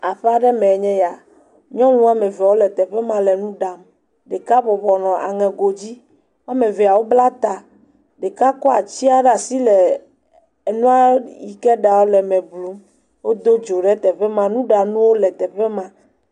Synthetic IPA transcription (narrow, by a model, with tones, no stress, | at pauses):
a˨ɸɛ˦a˦ɖɛ˦mɛ̃˨ɲɛ̃˦ja˨ | ɲɔ̃˦nũ˦a˦mɛ̃˨vɛ˨wo˦lɛ˨t̪ɛ˨ɸɛ˦mã˦lɛ˨nũ˦ɖa˨m | ɖe˨ka˦bɔ˨βɔ˨nɔ̃˨ʔa̰˨ŋɛ̃˨ɡo˨d͡ʑi˦ | wa˦mɛ̃˨vɛ˨a˨wo˦bla˦t̪a˨ | ɖe˨ka˦kɔ˦a˨t͡ɕi˦a˦ɖa˨si˦lɛ˨ | nũ˦a˦ji˨kɛ˦ɖa˨wo˦lɛ˨mɛ̃˨blu˦m | wo˦d̪o˦d͡ʒo˨ɖɛ˦t̪ɛ˨ɸɛ˦mã˦nũ˦ɖa˨nũ˦wo˦lɛ˨t̪ɛ˨ɸɛ˦mã˦